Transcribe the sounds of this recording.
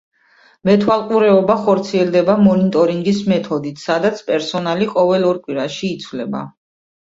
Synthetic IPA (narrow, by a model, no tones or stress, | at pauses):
mɛt̪ʰwalˠqʼuɾɛɔbaχɔɾt̪sʰiɛld̪ɛbamɔnit̪ʼɔɾiŋɡismɛt̪ʰɔd̪it̪ʰsad̪at̪sʰpʼɛɾsɔnaliqʼɔvɛlɔɾkʼwiɾaʃiːt̪sʰvlɛba̰